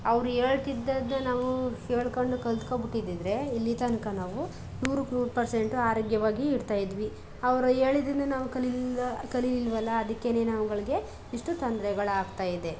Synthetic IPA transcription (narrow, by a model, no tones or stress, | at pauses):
ɐʋɾueːɭt̪id̪ːɐd̪nɐnaːʋueːɭkoɳɖukɐld̪kobiʈːid̪id̪ɾe̞ilːit̪ɐnɐkɐnaːʋu | nuːɾukːpɐɾse̞ɳʈuaːɾoːɡjɐʋaːɡiːɽt̪aːjid̪ʋi | ɐʋɐɾue̞ːɭid̪inɐnaːʋukɐlikɐlililʋɐlːɐːd̪ɐkːene̞ːnɐʋɐɡɐɭiɡe̞ | iʂʈut̪ond̪ɾɛɡɐɭaːɡt̪aːjid̪e̞